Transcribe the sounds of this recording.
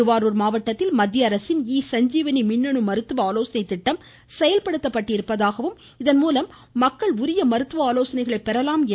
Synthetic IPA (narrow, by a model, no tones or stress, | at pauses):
ɯʋaːɾoːɾmaːʋɐʈːɐt̪ːɪlmɐd̪jɐːɾɐsɪniːsɐɲd͡ʒiːʋɐnimɪnːɐɳɯmɐɾɯt̪ːɯʋɐaːloːsɐnɐɪt̪ːɪʈːɐm | sɛjɐlpɐɽɯt̪ːɐpːɐʈːɪɾɯpːɐðaːɣɐʋɯm | ɪðɐnmuːlɐmː | ɐkːɐɭʊɾɪjɐmɐɾɯt̪ːɯʋɐaːloːsɐnɐɪɣɐɭɐɪpːɛɾɐlaːmɛ